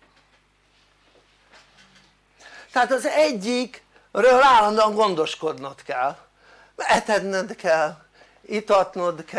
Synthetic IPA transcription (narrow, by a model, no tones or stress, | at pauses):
t̪ɛaːt̪ɒzɛɟːik | røːlaːlːɒnd̪oɒŋɡo̞nd̪o̞ʃko̞d̪nɒt̪kɛlː | ɛt̪ɛd̪nɛd̪kʰɛl | it̪ɒt̪nod̪k